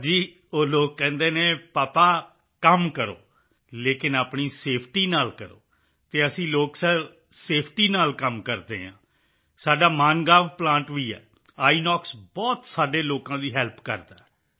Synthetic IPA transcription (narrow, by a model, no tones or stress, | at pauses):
d͡ʒiː | oːloːkːɛ̃ːnd̪eːnẽːpaːpaː | kəmkəɾo̰ː | leːkɪnaːpɳiːseːpʰʈiːnaːlkəɾo̰ː | t̪eːəsĩːloːksəɾ | seːpʰʈiːnaːlkəmkəɾd̪ḛːɦãː | saːɖaːmaːnɡãːʋplãːɳʈʋiːɛ̰ː | aːiːnɔːksbɔːt̪saːɖeːloːkãːd̪iːɦɛːlpkəɾd̪aːɛ